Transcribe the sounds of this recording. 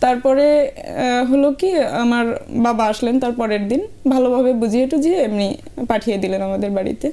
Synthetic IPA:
t̪aɾpɔɾe | ɦolokia̰maɾbabaaʃlent̪aɾpɔɾeɾd̪inbʱalobʱabebud͡ʑʱieʈud͡ʑiemni | paʈʰijed̪ilenamad̪eɾbaɽḭt̪e

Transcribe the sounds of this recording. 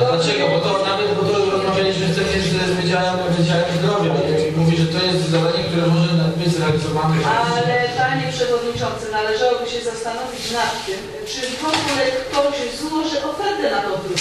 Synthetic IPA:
d̪lat͡ʃɛɡɔbɔt̪ɔnavɛbɔt̪ɔɾɔzmavʲjelʲiɕmɨxt̪sɛvɛzɛzvʲjed͡ʑawɛmt̪ɛvʲed͡ʑawɛmzdɡ̪ɾɔvʲjɛbɛɛimuvʲiʐɛt̪ɔjɛst̪zzad̪aɲɛk̚t̪uɾɛmɔʒɛbɘd͡ʑzɾɛalʲizɔvanɛalɛpaɲɛpʂɛvɔd̪ɲit͡ʂɔnt̪sɛnalɛʐawɔbɘɕɛzast̪anɔvʲit͡ɕnat̪ːɘm | pt͡ʂɘkɔkulɛkːɔwɕzwɔʐɛʔɔfɛɾd̪ɛnad̪ɔp̪ɾu

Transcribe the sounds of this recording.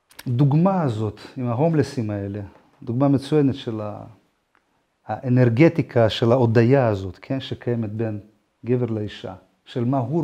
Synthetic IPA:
d̪uɡmaːzo̞t̪imaɦo̞mlesimae̞le̞ | d̪uɡmamet͡sujenetʃela̰ | ʔeneʁɡet̪ikʰaʃelaod̪ajaːzo̞t̪kʰe̞nʃekʰajemet̪̚ben | ɡeveʁlaiʃa̰ | ʃelmaɦu

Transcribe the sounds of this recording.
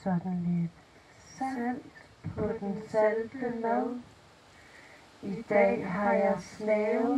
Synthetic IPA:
sɒd̥n̩led̥ | sn̰d̥ | pʰɒ̽d̥ensæld̥əna̰n | id̥ɛ̰ːɦɑ̈jɑ̈ɪsnɛ

